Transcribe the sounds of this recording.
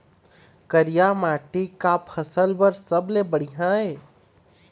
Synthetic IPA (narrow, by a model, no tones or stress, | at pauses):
kəɾijamaʈikapʰəsəlbəɾsəblebəɽiɦãe